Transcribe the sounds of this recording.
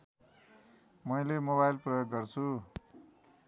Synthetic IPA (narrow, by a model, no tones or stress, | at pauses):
mʌjlemoβajlprʌjoɡːʌrt͡sʰu